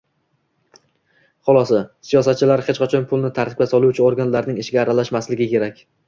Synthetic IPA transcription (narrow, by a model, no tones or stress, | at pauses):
χʊlˠɒsɒsijɒsat̪̚t͡ʃʰɪlaɾχet͡ʃqat͡ʃʰɒnpʰʊlˠnɪt̪ʰaɾt̪ɪ̥kʲasɒlˠuwt͡ʃʰɪoɾɡanlaɾnɪŋeʃɡʲaːɾalaʃmaslɪɡʲɪkʲe̞ɾakʲ